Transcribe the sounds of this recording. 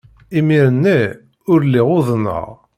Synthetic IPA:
imiɾənːi | ʊɾliʁʊðˤnə̰ʁ

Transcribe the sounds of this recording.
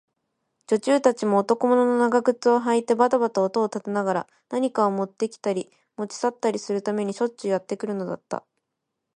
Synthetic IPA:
t͡ɕo̞t͡ɕɨːt̪at͡ɕimo̞ːt̪o̞ko̞mo̞no̞no̞naɡaɡɯ̟t͡sɨo̞ɦait̪e̞bat̪abat̪aot̪o̞ːt̪at̪e̞naɡaɾa̰ | naɲ̟ikaomo̞t̪ːe̞kʲi̥t̪aɾʲi | mo̞t͡ɕi̥sat̪ːaɾʲisɨɾɯ̟t̪ame̞ɲ̟iɕo̞t͡ɕːɨjat̪ːe̞kɯ̟ɾɯ̟no̞d̪a̰t̪ːa̰

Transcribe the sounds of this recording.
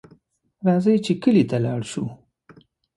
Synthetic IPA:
ɾɑzəjt͡ʃekəlit̪alɑɽʃu

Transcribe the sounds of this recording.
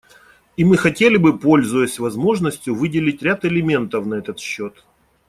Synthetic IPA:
imɨxɐtʲelʲɪbɨpo̞lʲzʊjəsʲvɐzmo̞ʐnəsʲtʲjʊvɨdʲɪlʲɪtʲɾʲat̪ɨlʲɪmʲe̞nt̪əfnɐɛt̪ət̪ɕːot̪

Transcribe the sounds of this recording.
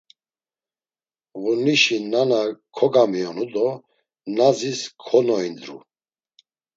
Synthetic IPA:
ɣuniʃinanakʰɔɡamiɔnud̪ɔ | naziskʰɔnɔind̪ɾṵ

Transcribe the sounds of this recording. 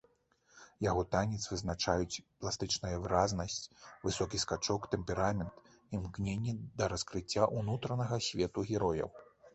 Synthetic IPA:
jaɣɔt̪anʲɛt̪svɨznat͡ʂajut͡sʲplˠast̪ɨt͡ʂnɐjɐvɨɾaznɐsʲt͡sʲvɨsɔkʲiskat͡ʂɔkt̪ɛmpʲɛɾamʲɛnt̪ | imknʲenʲːɛd̪ɐɾɐskɾɨt͡sʲːaʔunut̪ɾɐnɐɣɐsʲvʲɛt̪uɣʲɛɾɔjɐ̰w

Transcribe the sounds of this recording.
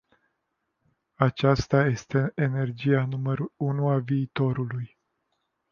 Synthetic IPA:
at͡ʃast̪aje̞st̪e̞ene̞rd͡ʒianuməɾuunuaviːt̪o̞ɾuluj

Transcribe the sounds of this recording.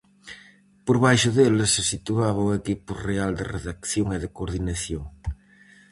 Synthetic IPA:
poɾβajʃʊðelesesit̪uaβ̞ɐwekipʊreald̪ḛrḛðakθjoŋeðekoɾðinaθjoŋ

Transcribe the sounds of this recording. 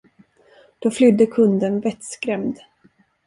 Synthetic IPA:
d̪̥ɔflʏd̪ːəkʰɵnd̪ənvɛt̪skɾɛmd̪

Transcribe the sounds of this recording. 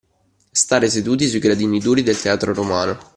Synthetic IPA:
st̪aːɾesed̪uːt̪̬isuiɡɾad̪iːnid̪uːɾid̪elt̪eaːt̪ɾoɾomaːno

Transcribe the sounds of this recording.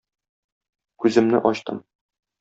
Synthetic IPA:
kʉzɘ̆mnɘ̰ʔɒɕt̪ɤ̰m

